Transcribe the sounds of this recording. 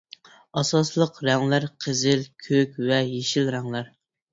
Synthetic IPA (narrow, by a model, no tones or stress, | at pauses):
ɑsɑslˠəqɾɛŋlæɾqʰəzɪlkʲʰøkʲvɛjeʃilɾɛŋlæɾ